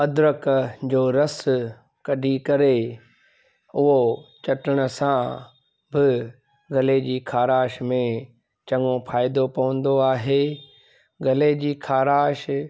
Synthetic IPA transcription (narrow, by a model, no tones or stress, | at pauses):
ɐd̪ʊɾəkd͡ʑoːɾɐs | kɐɖʱikɐɾe | ʊɦot͡ɕɐʈɪɽ̃ə̆sã | bɪ | ɡɐled͡ʑiːkʰaːɾaːʃmẽ | t͡ɕɐŋõpʰaːɪd̪opɐʋə̃n̆d̪oaːɦe | ɡɐled͡ʑiːkʰaːɾaːʃ